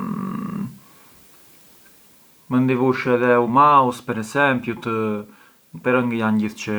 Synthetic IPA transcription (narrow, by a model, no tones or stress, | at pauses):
mənd̪ivuʃɛðɛumaɔspɛɾɛsɛmpjut̪ə | pɛɾəŋɡəjanɟiθt͡ɕə